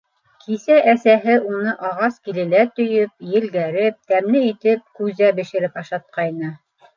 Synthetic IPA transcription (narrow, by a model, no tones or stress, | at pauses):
kʰisæʔæsæɦɘʔunɤʔɑʁɑskilɘ̆læt̪ɵ̆jɵp̚jɘ̆lɡæɾɘp̚t̪æmlɘit̪ɘp̚kʉzæbɘ̆ʃɘ̆ɾɘpɑʃɑt̪̚qɑjnɤ